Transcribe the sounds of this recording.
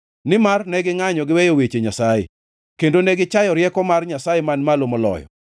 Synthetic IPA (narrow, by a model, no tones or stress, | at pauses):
nɪmarnɛɡɪŋaɲɔɡɪwɛjowet͡ʃeɲasajḛ | kendonɛɡɪt͡ʃajɔɾjɛkɔmarɲasajemanmalomɔlɔ̰jɔ̰